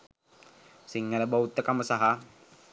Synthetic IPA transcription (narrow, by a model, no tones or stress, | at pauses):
siŋːaləbaut̪ːəkaməsaɦa